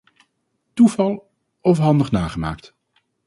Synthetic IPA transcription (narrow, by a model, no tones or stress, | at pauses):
tuvɑlˠ | ɔfɦɑndəχnaːχəma̰ːkt